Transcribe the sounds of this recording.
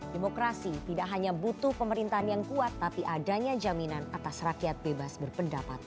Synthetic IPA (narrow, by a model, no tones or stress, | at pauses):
demokɾasit̪idakɦaɲabut̪ʊhpəməɾint̪aɦanjaŋkuat̪ːapiʔadaɲad͡ʒaminanat̪asrakiat̪̚bebasbərpəndapa̰t̪̚